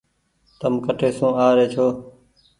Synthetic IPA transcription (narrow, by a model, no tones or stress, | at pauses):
t̪əmkəʈʰeːsũːaːɾeːt͡ʃʰoː